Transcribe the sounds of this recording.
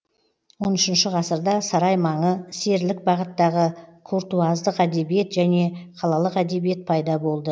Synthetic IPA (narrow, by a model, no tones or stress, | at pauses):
wo̞nʏʃɪnʃɪʁɑsəɾd̪ɑsɑɾɑjmɑɴəse̞ɾlɪk̚bɑʁət̪ːɑʁəkʰoɾt̪uɑzd̪əqæd̪e̞bije̞t̪ʒæne̞qʰɑlˠɑlˠəqæd̪e̞bije̞t̪̚pʰɑjd̪ɑbo̞lˠd̪ə